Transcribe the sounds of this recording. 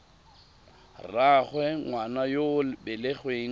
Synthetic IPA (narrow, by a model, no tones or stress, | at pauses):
raχwɛŋwanajolbɪleχweːŋ